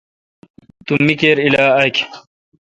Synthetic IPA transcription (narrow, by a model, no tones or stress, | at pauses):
t̪umːikeːɾilaːɐk